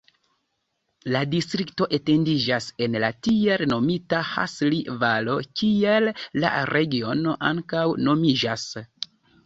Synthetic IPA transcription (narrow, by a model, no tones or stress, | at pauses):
ladistɾikto̞ʔe̞te̞ndid͡ʒase̞nlatieɾno̞mitaha̰slivalo̞kie̞lːa̰ɾe̞ɡio̞no̞ʔaŋkawno̞mid͡ʒas